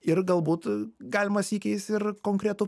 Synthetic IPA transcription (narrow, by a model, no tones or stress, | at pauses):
ɪrɡɐlˠbuːt̪ɡɑːlʲɪmɐsʲiːkʲɛɪst̪ɪrkoːŋkɾʲɛt̪ʊ